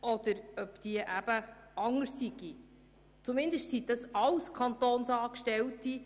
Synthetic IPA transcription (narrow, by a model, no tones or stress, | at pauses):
ʔɔd̪̥əɾœpd̪̥iəʔæb̥əɑŋːəɾsːiɡ̥i | t͡sumɪnd̪əʃtsid̥̪ɑsɑwskʰɑnt̪oːnsɑːkʃtɛwt̪i